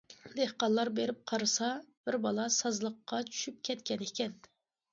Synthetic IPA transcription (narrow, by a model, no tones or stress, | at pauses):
d̪ehqɑlˠːɑɾbeɾɪp̚qʰɑɾɨsɑb̥ɪɾbɑlˠɑsɑzlˠəqːɑt͡ʃʰy̥ʃyp̚kʲʰɛt̪kʲɛnekʲɛn